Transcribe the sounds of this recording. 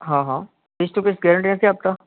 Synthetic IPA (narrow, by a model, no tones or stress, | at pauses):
ɦãːɦãː | bɪst̪okɪsɡɛːɾəɳʈ̬inãsiaːp̚t̪a